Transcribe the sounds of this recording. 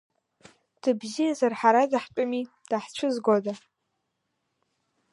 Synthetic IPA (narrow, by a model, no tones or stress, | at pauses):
d̥ɨbzijazarħaɾadaħt͡pʷʼʊmi | d̥aħt͡ʃʷʰɨzɡoda